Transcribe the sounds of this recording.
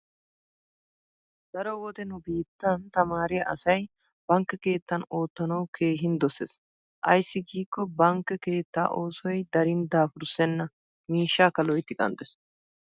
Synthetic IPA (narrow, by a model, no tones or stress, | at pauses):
d̪̥ɐɾɔwɔt̪ɛnʊbiːt̪ːɐnt̪ɐmaːɾɪjɐʔɐ̰sɐj | b̥ɐŋkːɛke̞ːt̪ːɐno̞ːt̪ːɐnɐwkʰe̞ːɦɪnd̪ɔses | ʔɐ̰jsːɪɡiːkːɔbɐŋkːɛke̞ːt̪ːa̰ːʔo̞ːsɔjd̪ɐɾɪnd̪aːfʊɾsɛnːɐ | miːʃːaːkɐlɔjt̪ːɪkʼɐ̰nt̪ʼɛs